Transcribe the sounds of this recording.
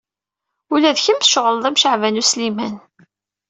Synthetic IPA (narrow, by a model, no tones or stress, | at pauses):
ulæðçəmʃʁəlðˤæmʃəʕvænuslimæn